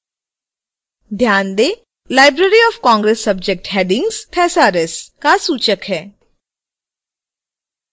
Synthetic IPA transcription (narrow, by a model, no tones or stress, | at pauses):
d̪ʱjaːnd̪eː | laːɪbɾeɾiɔːfkɔ̃ːŋɡɾesːɐb̚d͡ʒek̚ʈɦɛːɖɪ̃ŋɡz̥t̪ʰɛːsaːɾeskasuːt͡ʃəkɦɛː